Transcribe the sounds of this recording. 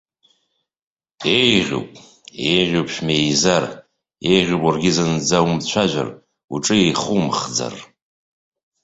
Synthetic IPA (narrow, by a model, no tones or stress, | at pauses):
ejʁʲo̰pʼ | ejʁʲowpʰʃᶣmejzar | ejʁʲopʼarɡʲɪzand͡zawmt͡ɕʷʰaʒʷa̰r | uʈ͡ʂʼɨejχumχd͡za̰r